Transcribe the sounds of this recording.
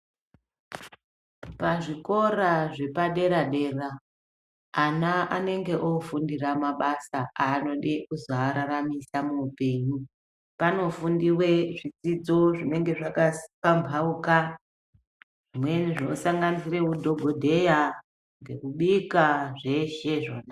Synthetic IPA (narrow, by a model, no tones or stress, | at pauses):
paʐiko̞raʐe̞paɗe̞ɾaɗe̞ra | anaane̞ŋɡe̞ʔofundiramaɓasaaːno̞ɗeʔuzaːɾaramisamuːpe̞ːɲu | pano̞fundiwe̞ʐid͡zid͡zo̞ʐine̞ŋɡe̞ʐakasipambʱauka | ʐ̥imwe̞niʐinosaŋɡanisire̞kudʱo̞ɡʱodʱe̞ja | ŋɡe̞kuɓikaʐe̞ʃeʐo̞ːna